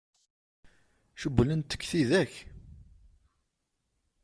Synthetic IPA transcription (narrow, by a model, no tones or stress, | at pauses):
ʃəbːlənt̪ːə̥kːθiðæç